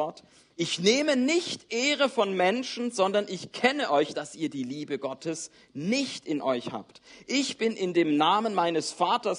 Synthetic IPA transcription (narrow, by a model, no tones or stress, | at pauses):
ɔt | ʔɪçneːmənɪçtʔeːʁəfɔnmɛnʃn̩zɔndɐnɪçkʰɛnəʔɔʏçd̥asʔiːɐdiːliːbəɡɔtʰəs | nɪçtɪnʔɔʏçha̰ːptʔɪçb̥ɪnʔɪndeːmnaːmənmaɪnəsfaːtɐs